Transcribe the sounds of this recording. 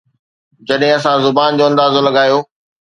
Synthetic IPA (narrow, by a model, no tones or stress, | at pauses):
d͡ʑɐɗɦɪ̃ɐsãzʊbaːnd͡ʑoːɐ̃nd̪aːzolɐɠaːjoː